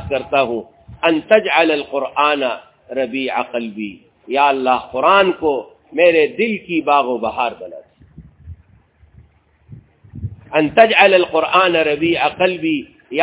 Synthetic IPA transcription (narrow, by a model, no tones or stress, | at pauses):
kɐɾt̪aɦũː | ɐnt̪ɐd͡ʒʕɐlɐlqʊɾʔaːnɐ | ɾɐbiːʕaqɐlbiː | jaːɐlːaːɦqʊɾaːnko | meːɾed̪ɪlkibaːɣobɐɦaːɾbɐla̰t̪ | ɐnt̪ɐd͡ʒʕɐlɐlqʊɾʔaːnɐɾɐbiːʕaqəlbiː | ja